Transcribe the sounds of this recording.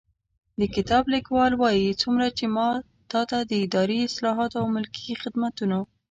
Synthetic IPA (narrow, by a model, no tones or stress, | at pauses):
d̪əkɪt̪ɑblɪkwɑlwɑjit͡sumɾat͡ʃemɑ | t̪ɑt̪ad̪əɪd̪ɑɾeɪslɑɦɑt̪oawmʊlkixɪd̪mat̪una